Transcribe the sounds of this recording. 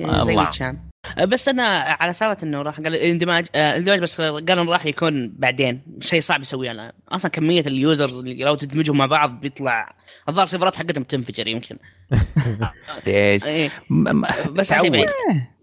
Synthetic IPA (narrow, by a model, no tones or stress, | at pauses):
zajma̰t͡ʃaːn | ʔbasːʔanaʕalasaːbat̪ʔɪnːaɾˤɑːħɡaːlʔlɪnd̪ɪmaːd͡ʒɪnd̪ɪmaːd͡ʒbasːɡaːlʔɪnɾˤɑːħjakuːnbaʕd̪eːnʃejːsˤɑʕbjɪsawːiːhalʔa̰nʔɑ̰sˤlɑnkamːɪjːaljuːzɑɾzɪlːiɾˤawt̪ɪd̪mɪd͡ʒhʊmaʕbɑʕðˤbjɨt̪ˤlɑʕʔɑðˤɑːɾˤsˤifɑɾˤɑːt̪ħaɡːat̪hʊmt̪ɪnfɪd͡ʒɑɾjɪmkʰɪn | eːʃʔeː | basːajbʕiːd̪